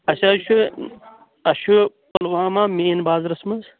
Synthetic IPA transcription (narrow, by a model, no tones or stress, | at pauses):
ɐsɐʃʰu | ɐʃu | pɐlwaːmaːmeːnbaːzɾɐsmɐz